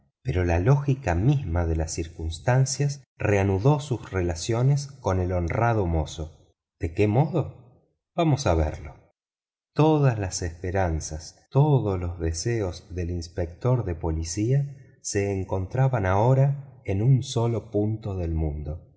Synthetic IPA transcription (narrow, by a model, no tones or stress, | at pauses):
peɾo̞lalo̞xikamizmaðe̞lasːiɾkunst̪ansjas | reanuðo̞susrelasjo̞nesko̞ne̞lo̞nrað̞omo̞so | d̪̥ekemoðo̞ | β̥amo̞saβ̞ḛɾlo̞ | t̪oðazlasespeɾansast̪oðoslo̞zðeseo̞zðe̞linspek̚t̪o̞ɾðe̞po̞lisia | se̞ːŋko̞nt̪ɾaβanao̞ɾaenunso̞lo̞punt̪o̞ðe̞lmũnd̪o̞